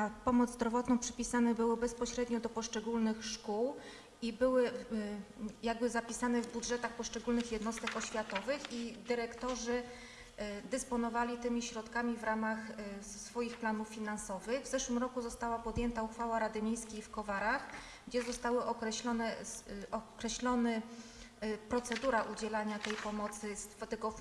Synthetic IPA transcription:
apɔmɔd̪zd̪ɾɔvɔt̪nɔ̃w̃pʂɘ̥pʲisanɛbɘwɘbɛspɔɕɾɛd̪ɲɔd̪ɔpɔʂt͡ʂɛɡulnɘxʂkuw | ibɘwɘ | jaɡbɘzapʲisanɛvbudʐɛt̪axpɔʂt͡ʂɛɡulnɘxjɛd̪nɔst̪ɛkɔɕfʲjat̪ɔvɘxid̪ɘɾɛkt̪ɔʐɘ | d̪ɛspɔnɔvalʲit̪ɘmʲiɕɾɔt̪kamʲivɾamaxsfɔjixplanufːʲinansɔvɘɣvzɛʂwɘmɾɔkuzɔst̪awapɔd̪jɛnt̪auxfawaɾad̪ɘmʲjejskʲejfkɔvaɾax | ɡd͡ʑɛzɔst̪awɘʔɔkɾɛɕlɔnɛʔɔkɾɛɕlɔnɘ | pɾɔt̪sɛd̪uɾaʔud͡ʑɛlaɲat̪ɛjpɔmɔt̪sɘst̪ɛɡɔ

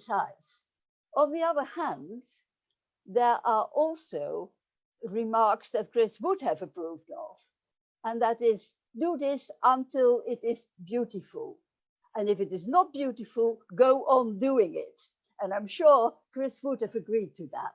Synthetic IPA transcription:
saɪdz̥ | ə̃nðiʌðə˞hæ̃n | ðə˞ʔə˞ʔɔlˠsoʊ | ɹɪmɑɹksðɨt̚kʰɹ̥ɪswʊd̚ɨvɨpʰɹ̥uvdə̰v̥ | ə̃nðɨɾɪz | dɨðɪsʔə̃ntʰɪlˠɪɾɪzbjʉɾɨfə̰l̩ˠ | ɨ̃nɨfɨɾɨznət̚b̥jʉɾɨfl̩ˠɡoʊʔə̃nduɪ̃ŋɪ̰t̚ | ɨ̃nãɪ̃mʃʊɹkɹ̥ɪswʊd̚ɨvɨɡɹid̚tʰɨðæ̰t̚

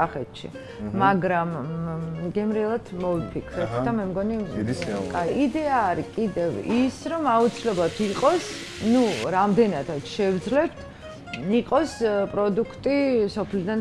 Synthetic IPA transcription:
aχɛt̪ʃḭ | maɡɾam | ɡɛmɾilˠat̪ʰmɔvipʰikʰɾɛt̪ʰd̪amɛmɡɔnikʼaiid̪ɛaːɾikʼid̪ɛvisɾɔmaut̪sʰilɛblˠat̪ʰiqʼɔs | nuɾamd̪ɛnat̪ʰat̪ʃɛvd̪zlɛbt̪ʰ | iqʼɔspʼɾɔd̪ukʰt̪ʼisɔpʰlid̪an

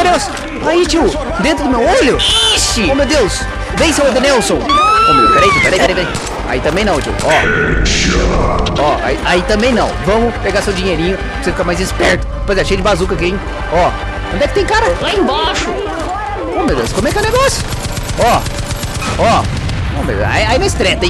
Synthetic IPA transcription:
od̪ews | ait͡ʃiw | d̪ẽnt̪ɾʊd̪ʊmewoʎʊisɪomewd̪ews | vẽj̃sẽwd̪enɛwsõw̃kõmepeɾejp̪epeɾejpeɾejpeɾej | a̰it̪ɐ̃mbẽj̃nɐ̃w̃t͡ʃḭwɔ | ɔa̰iʔait̪ɐ̃mbẽj̃nɐ̃w̃vɐ̃mʊpeɡaɾsewd͡ʒĩɲejɾĩɲʊ | ɾsefikaɾmajzɪspɛɾt̪ʊ̥poɾezeʃejɐd͡ʒɪbazuk̬ɐkẽj̃ | ɔ | kõnd̪ɛkɪt̪ẽj̃kaɾɐlaẽbaʃʊ | omewd̪ḛwskõmʊɛkɛwneɡɔsjʊ̥ | ɔ | ɔ | õmḛa̰iainɐɪst̪ɾɛt̪e

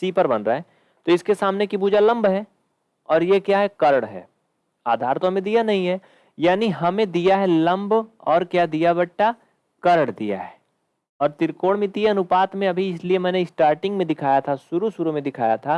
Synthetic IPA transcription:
siːpəɾbɐnɾaɦɛ | t̪oɪskesaːmnekibuːd͡ʒalɐ̃mbɦɛː | ɔːɾjekjaːɦɛkɐɾəɽɦɛ̰ː | a̰ːd̪ʱaːɾt̪oɦɐmẽd̪ijanɐɦĩɦɛ | jaːniɦɐmẽd̪ijaɦɛlɐ̃mbɔːɾkjaːd̪ijabɐʈʈːa | kɐɾəɽd̪ḭja̰ɦɛː | ɔːɾt̪ɪɾkoːɽmẽt̪ieɐnʊpaːt̪mẽɐbʱiɪsliemɛ̃ːneɪsʈaːɾʈɪ̃ŋɡmẽd̪ɪkʰaːjat̪ʰasʊɾusuɾumẽd̪ɪkʰa̰ːjat̪ʰa

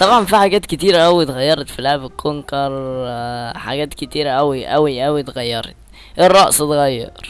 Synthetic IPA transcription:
t̪ˤɑbʕɑnfiħaɡæːt̪ket̪iːɾæʔæwit̪ɣæjːɑɾˤɑt̪filaʕbekʰːonkɑɾˤ | ħaɡæːt̪ket̪iːɾæʔæwiʔæwiʔæwit̪ɣæjːɑɾˤḛt̪̚ | ʔerˤːɑʔset̪ɣɑjːɑ̰ɾˤ

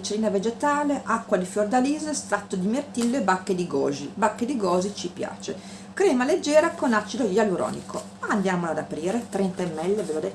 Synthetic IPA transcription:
t͡ʃːeliːnaved͡ʒet̪aːleʔakːwad̪ifjord̪aliːzest̪ɾat̪ːod̪imert̪ilːebakːed̪iɡɔ̰ːzibakːed̪iɡɔːzit͡ʃipja̰ːt͡ʃḛ | kɾɛːmaled͡ʒːɛːɾakonat͡ʃːid̪ojaluɾɔ̰ːnḭkʰo | and̪jaːmolad̪apɾiːɾet̪ɾɛnt̪aemːɛlːevelod̪ɛ

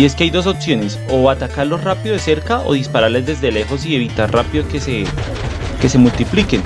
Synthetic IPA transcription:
ie̞skeajd̪o̞s̬o̞psjo̞ne̞so̞at̪akaɾlo̞srapiðoðese̞ɾkaʔo̰ð̞ispaɾaɾle̞zd̪e̞zd̪e̞le̞xo̞s̬ie̞βit̪aɾrapiðokese | kese̞mult̪iplike̞n

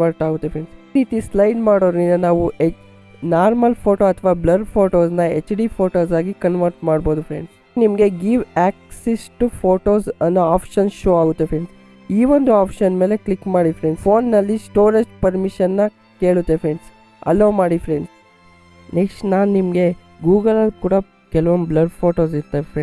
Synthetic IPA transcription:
ʋɐɾʈaːɡut̪ːepʰɾeɳɖsiɾiːt̪islɐjɖmaːɽoːɾninɐnaːʋuʔe | naːɾmɐlpʰoːʈoːɐt̪ʰʋaːblɐɾpʰoːʈoːsnɐet͡ʃɖipʰoːʈoːsaːɡikɐnʋɐɾʈmaːɽboːd̪upʰɾḛɳɖs | nimɐɡeɡiʋæːk̚sesʈupʰoːʈoːsɐnɐaːpʃɐnʃoːaːɡut̪ːepɾeɳɖs | iːʋond̪uaːpʃɐnme̞ːlekɭikmaːɽifɾeɳɖspʰoːnːɐlːisʈoːɾed͡ʒpɐɾmiʃɐnːɐ | keːɭut̪ːepʰɾeɳɖs | ɐ̰lːoːmaːɽifɾeɳɖs | neksʈnaːnnimɐɡe̞ | ɡuːɡɐlɐlkuːɽɐ | kɛlɐʋomblɐɾpʰoːʈoːsiɾt̪ːefʰɾeɳ

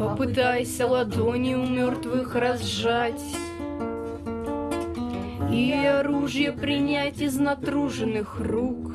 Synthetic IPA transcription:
pəpɨt̪ajsʲɐlˠɐd̪onʲɪjʊmʲort̪vɨxrɐzʐatʲ | iɐɾuʐɨjəpɾʲɪnʲætʲɪznɐt̪ɾuʐɨnɨxruk

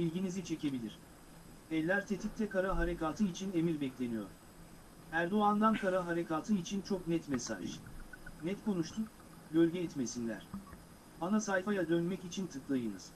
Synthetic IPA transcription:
bilʲɟinizit͡ʃʰe̞ce̞bilʲiɾ̥ | ɛlʲːæɾt̪ʰe̞t̪ʰip̚t̪ʰɛkʰaɾaɦaɾe̞kaːt̪ʰɯit͡ʃʰine̞miɾbɛclʲe̞nijo̰ɾ̥ | æɾd̪o̞and̪ankʰaɾaɦaɾe̞kaːt̪ʰɯit͡ʃʰint͡ʃʰo̞knɛt̪mesa̰ʒ | nɛt̪kʰo̞nuʃt̪ʰuk | ɟølʲɟɛːt̪me̞sinlʲæ̰ɾ̥ | anasajfajad̪ønmɛcit͡ʃʰint̪ʰɯklˠajɯnɯz̥

